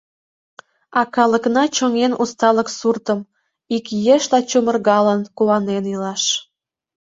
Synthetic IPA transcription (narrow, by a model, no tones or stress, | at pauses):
ɑkɑləknɑt͡ɕoŋenʔust̪ɑləksurt̪əm | ikjeʃlɑt͡ɕumərɣɑlənkuɑnenilɑʃ